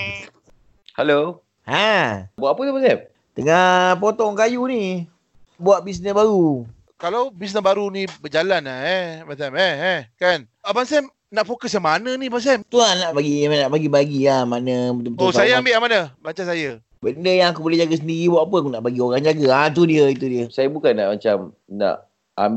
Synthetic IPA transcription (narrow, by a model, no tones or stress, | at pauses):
halo | hãbuaʔapət̪ubansɛm | t̪əŋapot̪ɔŋkajuni | buaʔbis̬nəsbaɾu | kalawbis̬nəsbaɾunibəd͡ʒalanaematamɛɛkan | əbansɛm | naʔfokəsjaŋmanənibas̬ɛmt̪uanaʔbaɡiamnaʔbaɡibaɡilahmanəbət̪umbt̪osajaambɪʔamanəbaɲt͡ʃansajə | bəndəjaŋakubolɛhd͡ʒaɡas̬əndiɾibuaʔap̬əakunaʔbaɡioɾaŋd͡ʒaɡaat̪̬udiəit̪udiəsajəbukanːa̰ʔmat͡ʃam | na̰ʔ | a̰mb